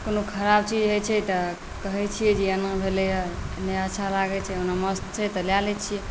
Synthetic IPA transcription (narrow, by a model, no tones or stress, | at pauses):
konokʰəɾabt͡ʃid͡ʒɦət͡ʃʰɛt̪ɔ | kəɦɛt͡ʃʰijɛd͡ʒeənabʱelejaneətːʃʰalaɡɛt͡ʃʰɛonaməst̪t͡ʃʰɛt̪ɔljalɛt͡ʃʰijɛ